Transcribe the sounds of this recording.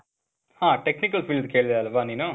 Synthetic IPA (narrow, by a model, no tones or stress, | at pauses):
hãːʈeknikɐlfiːld̪keːɭid̪eɐlɐʋaːniːnu